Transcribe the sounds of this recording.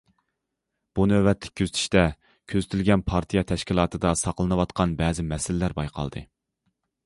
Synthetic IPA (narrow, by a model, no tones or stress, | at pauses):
b̥unøbɛt̪lɪ̥k̚ʲkʰøzɪt̪ʰy̥ʃt̪ɛ | kʲʰøzt̪ʰylɡʲɛnpʰɑɾt̪ʰijɛt̪ʰɛʃkʲilˠɑːt̪ʰɨd̪ɑsɑqlˠɨnɨwɑt̪qʰɑnbɛːzɪmɛsɪlɪlæɾbɑjqʰɑ̰lˠd̪ɨ̰